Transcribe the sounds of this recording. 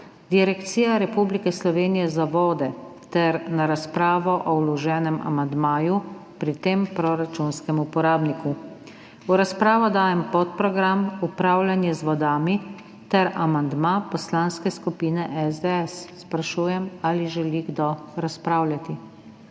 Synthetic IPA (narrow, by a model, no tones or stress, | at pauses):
d̪̥iɾɛkt̪siːjaɾɛpublikɛslɔʋeːnijɛzaʋɔːd̪ɛt̪ɛɾnaɾaspɾaːʋɔʔɔwlɔʒɛːnɛma̰mand̪maːjupɾit̪empɾɔɾat͡ʃunskɛmupɔɾaːbniku | uɾaspɾaːʋɔd̪aːjɛmpɔt̪pɾɔɡɾamupɾaːwlʲanjɛzʋɔd̪aːmi | t̪ɛɾamand̪mapɔslaːnskɛskupiːnɛʔɛzd̪ɛɛsːpɾaʃuːjɛmaliʒɛliɡd̪ɔɾaspɾaːwlʲjʲat̪i